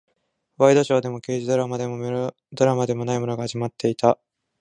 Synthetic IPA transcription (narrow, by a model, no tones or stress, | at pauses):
βaid̪o̞ɕo̞ːd̪e̞mo̞ke̞ːʑid̪oɾamad̪emo | d̪o̞ɾamad̪e̞mo̞naimɯɾoɡahaʑimat̪ːe̞it̪a